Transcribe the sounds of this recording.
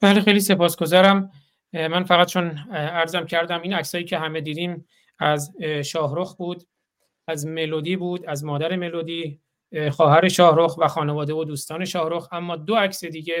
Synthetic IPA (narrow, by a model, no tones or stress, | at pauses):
bælexe̞jliːse̞pɒːsɡo̞zɒːɾæm | mænfæɣæt̪̚t͡ʃʰonæɾzæmcʰæɾd̪æmiːnæcsɒːjiːcʲʰe̞ɦæme̞d̪iːd̪iːm | æzʃɒːɦɾoxbuːd̪ | æzme̞loːd̪iːbuːd̪æzmɒːd̪æɾe̞me̞loːd̪iː | xɒːhæɾe̞ʃɒːhɾoxvæxɒːnevɒːd̪evod̪uːst̪ɒːne̞ʃɒːhɾoxæmːɒːd̪oæcʰse̞d̪iːɟe